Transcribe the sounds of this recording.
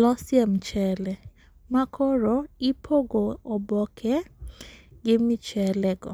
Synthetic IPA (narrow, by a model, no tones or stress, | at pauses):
lɔsjamt͡ʃɛlɛ | makʰɔɾoipʰoɡoɔbɔkʰɛ | ɡɪmɪt͡ʃɛlɛɡɔ̰